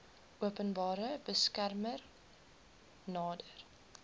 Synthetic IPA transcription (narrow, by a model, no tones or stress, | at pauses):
ʔuəpənbɑːɾəbəskærmər | nɑːdər